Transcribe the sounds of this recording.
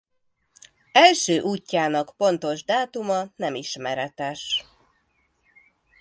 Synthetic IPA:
ɛlʃøːʔuːcːaːnɒkpo̞n̪t̪o̞ʒd̪aːt̪umɒnɛmiʃmɛɾɛt̪ɛʃ

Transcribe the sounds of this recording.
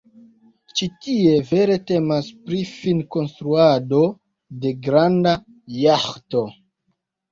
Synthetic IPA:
t͡ʃitie̞ve̞ɾe̞te̞maspɾifinko̞nstɾuado̞ | de̞ɡɾanda | jaxto̞

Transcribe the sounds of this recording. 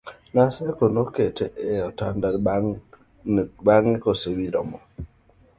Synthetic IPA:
nasekonoketʰeʔeɔtanda | baŋnɪkosewiɾɔ̰mɔ

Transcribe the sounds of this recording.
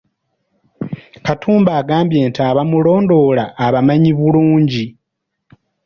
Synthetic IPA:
katʰuːmbaːɡaːmbje̞ːntaːβamulo̞ːndo̞laʔːβamaɲiβuluːɲɟi

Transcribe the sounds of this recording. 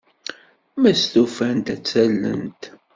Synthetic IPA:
mæst̪ufænt̪æt͡sːælːə̰nt̪

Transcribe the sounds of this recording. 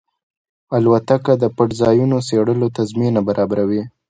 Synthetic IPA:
alwat̪akad̪əpaʈzɑjunoseɽəlot̪azminabaɾʔɑbaɾawi

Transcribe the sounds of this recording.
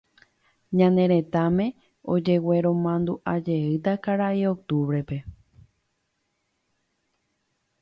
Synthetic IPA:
ɲãnẽ̞ɾ̃ẽ̞t̪amẽ̞ | o̞d͡ʒe̞we̞ɾõ̞mãnd̪uʔad͡ʒe̞ɨt̪akaɾaiok̚t̪uβɾe̞pe̞

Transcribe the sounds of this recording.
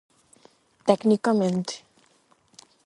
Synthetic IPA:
t̪ɛknikamɛnt̪

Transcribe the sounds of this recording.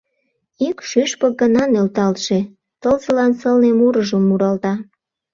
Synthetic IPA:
ikʃyʃpək̚ɡənɑnølt̪ɑlt̪ʃe | t̪əlzəlɑnsəlnemuɾəʒəmːuɾɑlt̪ɑ

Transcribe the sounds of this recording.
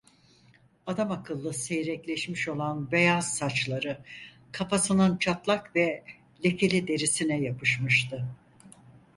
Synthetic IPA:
ad̪amakʰɯlˠːɯse̞jɾɛclʲɛʃmiʃo̞lˠanbe̞jazsat͡ʃlˠaɾɯ | kʰafasɯnɯnt͡ʃʰat̪lˠakvɛ | lʲe̞cʰe̞lʲid̪e̞ɾisinɛjapʰɯʃmɯʃt̪ʰɯ

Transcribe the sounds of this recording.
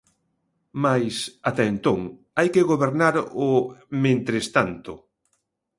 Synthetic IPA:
majsat̪aent̪oŋ | ajkeɣoβeɾnaɾomẽnt̪ɾest̪ant̪ʊ

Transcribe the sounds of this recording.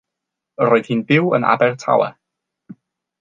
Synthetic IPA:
əɾoːɨð̥hiːnbɪwə̰na̰bɛrtʰa̰wɛ̰

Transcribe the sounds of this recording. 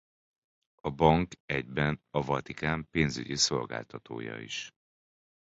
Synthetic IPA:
ɒbɒŋkɛɟbɛnɒvɒt̪ikaːmpeːnzy̰ɟiso̞lɡa̰ːlt̪ɒt̪oːjɒ̰ḭʃ

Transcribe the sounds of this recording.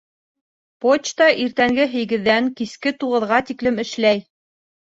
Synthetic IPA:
pot͡ɕt̪ɑʔiɾt̪æŋɡɘɦɘ̆jɡɘ̆ðːæŋkiskɘt̪uʁɤ̆ðʁɑt̪iklɘ̆mɘ̆ʃlæj

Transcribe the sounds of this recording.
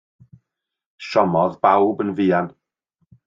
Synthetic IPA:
ʃɔmɔðbawbənviːan

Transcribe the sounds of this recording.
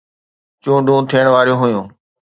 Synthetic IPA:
t͡ɕũːɖʱũːt̪ʰiəɽ̃ʋaːɾijõɦʊjũː

